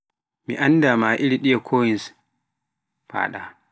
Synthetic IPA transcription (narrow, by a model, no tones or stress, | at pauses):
mḭʔanːdamaːʔiɾiɗijakʰoːjins | pa̰ːɗa̰